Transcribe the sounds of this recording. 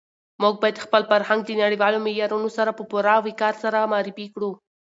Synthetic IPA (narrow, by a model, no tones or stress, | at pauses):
muɡ̚bɑjad̪xpəlfaɾhaŋɡ̚d̪ənaɽiwɑlomɪljɑɾunosaɾapəpuɾawikɑɾsaɾamɑɾɪfikɽu